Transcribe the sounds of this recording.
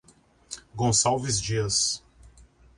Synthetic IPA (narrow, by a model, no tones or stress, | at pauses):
ɡõsawvɪzd͡ʒiɐs